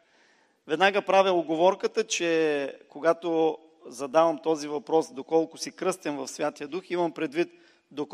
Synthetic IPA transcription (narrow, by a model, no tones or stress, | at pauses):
vɛd̪naɡəpɾavʲɛlˠʊɡovɔɾkət̪ət͡ʃɛkoɡat̪o | zɐd̪avɐmt̪ɔzivɐpɾɔsd̪okɔlˠkʊsikɾɤst̪ɛmvɐfsvʲjat̪ijəd̪uximɐmpɾɛd̪vit̪̚ | d̪ok